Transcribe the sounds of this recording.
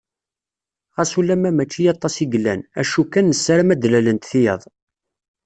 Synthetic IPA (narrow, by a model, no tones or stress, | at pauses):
ʁæsulːæmæmæt͡ʃːijɑt̪ˤːɑsiɡlːæ̰næ̰ʃukænːəsːaɾmæd̪lælənt̪θijə̰ðˤ